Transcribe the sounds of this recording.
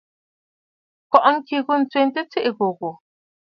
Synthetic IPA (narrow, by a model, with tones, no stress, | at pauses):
kɔ˨ʔŋ̩˦ki˨ɣo˦n̩˨t͡swe˨n˦te˦t͡se˦ʔe˨ɣo˨ɣo˨